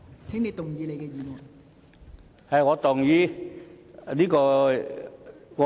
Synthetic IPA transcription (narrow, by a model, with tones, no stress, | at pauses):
t͡sʰɛ˥ŋne˨˧jt̪ʊ˨˩ŋjiː˨˧le˨˧jkɛː˧jiː˨˧mɔ˨˩n | hɐ˨jŋɔː˨˧t̪ʊ˨˩ŋjiː˧˥ | niː˥kɔː˧ | ŋɔ˨˧